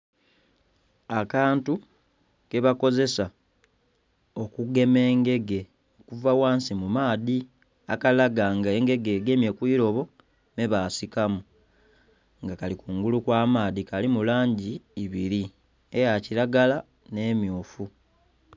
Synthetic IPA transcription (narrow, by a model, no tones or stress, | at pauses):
akaːntu | ke̞βako̞ze̞sa | o̞kuɡe̞me̞ːŋɡe̞ɡe̞ | okuvawaːnsimumaːði | akalaɡaŋɡae̞ŋɡe̞ɡe̞ːɡe̞mje̞kwiːɾo̞βo̞ | meβaːsikamu | ŋɡakalikuŋɡulukwaːmaːðikalimulaːɲɟiːβiɾi | ejaciɾaɡala | ne̞ːmjoːfu